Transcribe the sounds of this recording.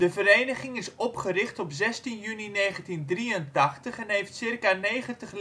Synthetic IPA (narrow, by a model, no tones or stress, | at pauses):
dəvəɾejnəχɪŋɪsɔpχərɪχtɔpzɛstinjynineːχəntindriəntɑχtəχɛnɦejftsɪrkanejχəntəχ